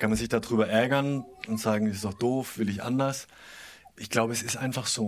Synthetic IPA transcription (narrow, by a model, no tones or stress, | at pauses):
kʰanmanzɪçd̥aːdʁyːbɐʔɛɐɡɐnʔʊntz̥aːɡŋ̩ɛsɪstɔχd̥oːfv̥ɪlɪçʔa̰ndɐs | ʔɪçɡ̥laʊbəɛsɪstʔaɪnfaχz̥oː